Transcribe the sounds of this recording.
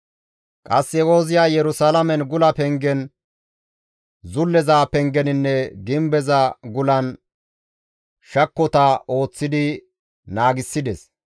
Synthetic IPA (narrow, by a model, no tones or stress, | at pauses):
kʼɐsːɛwo̞ːzɪjaːjɛɾʊsalɐmɛnɡʊlɐpɛŋɡɛn | zʊlːɛzaːpɛŋɡɛnɪnːɛɡɪmbɛzɐɡʊlɐn | ʃɐkːɔt̪ɐʔo̞ːt͡sːɪd̪ɪ | naːɡɪsːɪd̪ɛs